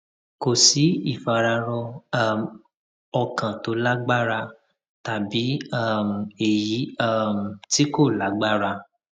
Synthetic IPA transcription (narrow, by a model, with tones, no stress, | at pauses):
ko˨si˨˦i˦˨fa˨ɾa˧ɾɔ˧a˦m | ɔ˧kã˨to˨˦la˦ɡ͡ba˦˨ɾa˧ | ta˨bi˨˦a˦˨m̩˨e˨ji˨˦a˦˨m̩˨ti˦ko˦˨la˨˦ɡ͡ba˦˨ɾa˧